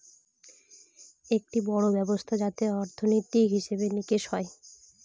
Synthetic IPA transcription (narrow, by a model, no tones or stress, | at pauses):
ek̚ʈibɔɽobɛbost̪ʰad͡ʑat̪eɔɾt̪ʰonot̪ikɦiʃebenikeʃhɔe